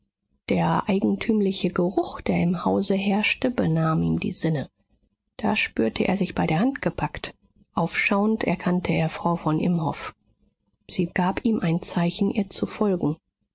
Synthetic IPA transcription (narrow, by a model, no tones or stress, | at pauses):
d̥eːɐʔaɪɡŋ̩tʰyːmlɪçəɡəʁʊχd̥eːɐɪmhaʊzəɦɛɐʃtəbənaːmiːmdḭːzɪnə | d̥a̰ːʃpyːɐtʰəʔḛːɐzɪçb̥aɪdeɐhantɡ̥əpʰakt | ʔaʊfʃaʊəntɛ̰ɐkʰantʰəʔeːɐfʁ̥aʊfɔnʔɪmhɔf | z̥iːɡ̥aːpiːmʔaɪnt͡saɪçn̩ʔḭːɐt͡sufɔlɡŋ̩